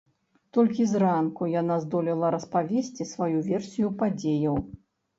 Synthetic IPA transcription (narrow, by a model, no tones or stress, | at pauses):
t̪ɔlʲkʲizrankujanazd̪ɔlʲɛlˠɐɾɐspavʲesʲt͡sʲisvajuvʲɛrsʲijupad͡zʲejɐw